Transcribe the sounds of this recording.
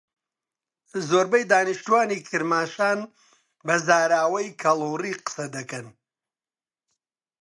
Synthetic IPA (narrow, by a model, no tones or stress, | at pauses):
zoːɾbɐjd̪aːnɨʃt̪uwaːniːkʰɨɾmaːʃaːn | bɐzaːɾaːwɐjkʰɐlˠuːriːqə̥sɐd̪ɐkɐn